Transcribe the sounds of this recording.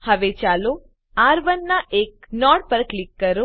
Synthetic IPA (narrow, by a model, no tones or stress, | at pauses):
həʋet͡ʃalo | aɾʋənːaʔek̚nɔɽpəɾklikːəɾo